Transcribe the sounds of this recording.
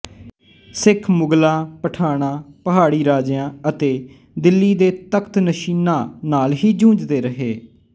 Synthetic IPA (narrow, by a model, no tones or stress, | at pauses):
sɪkʰmʊɡlãːpəʈʰaːɽ̃ãːpəɦaːɽiːɾaːd͡ʒjãːət̪eː | d̪ɪlːiːd̪eːt̪əkʰt̪nəʃiːnãːnaːlɦiːd͡ʒũːd͡ʒd̪eːɾəɦeː